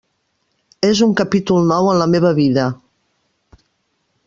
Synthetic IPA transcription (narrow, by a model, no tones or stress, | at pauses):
ezuŋkəpit̪ulˠnɔwənləmeβəβiðə